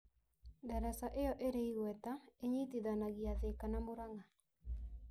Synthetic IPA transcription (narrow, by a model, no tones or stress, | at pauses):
daɾasaʔejɔʔeɾeiɣwɛtaeɲitiðanaɣiaðekanamoɾaŋa